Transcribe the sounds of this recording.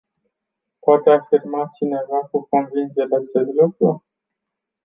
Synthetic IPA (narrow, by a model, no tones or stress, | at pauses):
poat̪e̞afirmat͡ʃine̞vakuko̞nvind͡ʒe̞ɾeat͡ʃe̞slukɾu